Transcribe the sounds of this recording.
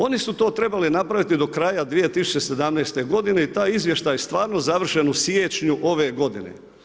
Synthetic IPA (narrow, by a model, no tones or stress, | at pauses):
o̞nisut̪o̞ːt̪ɾe̞balinapɾaʋit̪id̪o̞kɾaːjad̪ʋije̞t̪isu̥t͡ɕese̞d̪amnɛjst̪e̞ɡo̞d̪ine̞it̪aːizʋje̞ʃt̪ajest̪ʋaːɾno̞zaʋr̩ʃenusjet͡ɕɲuʔo̞ʋe̞ɡo̞d̪ḭnḛ